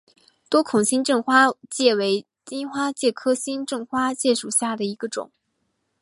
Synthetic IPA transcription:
t̪wɔ˥kʰʊ˨˩ŋɕi˥nʈ͡ʂɤ˥˩ŋxwa˥t͡ɕjɛ˥˩we˧˥ɪ | t͡ɕi˥nxwa˥t͡ɕjɛ˥˩kʰɤ˥ɕi˥nʈ͡ʂɤ˥˩ŋxwa˥t͡ɕjɛ˥˩ʂu˨˩ɕja˥˩d̪ə˩i˧˥ɡ̥ə˧ʈ͡ʂʊ̰˨˩˦ŋ

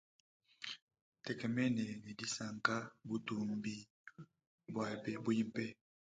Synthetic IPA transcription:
tɛ˨kɛ˨mɛ˦nɛ˨ne˨di˦sa˨ŋka˦bu˨tu˨mbi˦ | bwa˨bɛ˨bu˦ji˦mpɛ˦

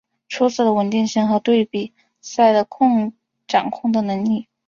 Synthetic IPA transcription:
ʈ͡ʂʰu˧˥t͡sɹ̩˨˩d̪ə˩wə˧˥nt̪i˥˧ŋɕi˥˩ŋxɤ˧˥t̪we˥˩ɪpi˨˩ | sa˥˩ɪlə˩kʰʊ˥˧ŋ | ʈ͡ʂɑ˨˩ŋkʰʊ˥˩ŋd̪ə˩nɤ˧˥ŋli˥˩

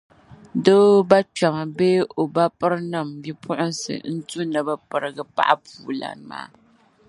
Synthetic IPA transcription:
doː˦ba˦t͡ʃa˨ma˨beː˦ʔo˨ba˦pɨ˦ɾɨ˦na˦˨mbi˦pʰʊ˦ʔʊ˦nsɨ̰˨n̩˦tu˦nɨ˨ba˦pɨ˨ɾɨ˨ɡɨ˦pa̰˦ʔa˦puː˨la̰˨n˨ma̰ː˦

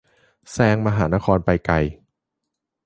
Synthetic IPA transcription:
sɛː˧˥ŋma˧ɦaː˩˦na˦˥kʰɔː˧npa˧jka˧j

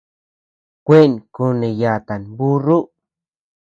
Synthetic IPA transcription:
kʷe˦˨nku˧nẽ˨ja˨t̪a˨nbu˦ru˦

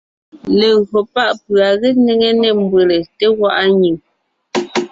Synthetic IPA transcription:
le˨ɣo˨pa˦˨ʔpɰa˨ɣe˦ne˦ŋe˦nɛ˦˨m˦bwe˨le˨te˦ɣwa˦˨ʔa˦ɲi˨ŋ

